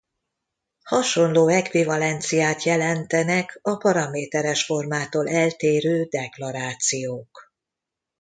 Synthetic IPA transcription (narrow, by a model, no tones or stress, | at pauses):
hɒʃo̞nloːɛkʋivɒlɛnt̪sijaːt̪jɛlɛnt̪ɛnɛkɒpɒɾɒmeːt̪ɛɾɛʃfo̞rmaːt̪oːlʔɛlt̪eːɾøːd̪ɛklɒɾaːt̪sijoːk